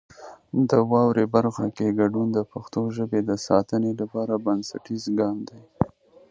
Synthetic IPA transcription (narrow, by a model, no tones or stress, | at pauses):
d̪əwɑwɾebaɾxakeɡaɖund̪əpaxt̪oʒəbed̪əsɑt̪ənelapɑɾabansa̰ʈizɡɑnd̪aj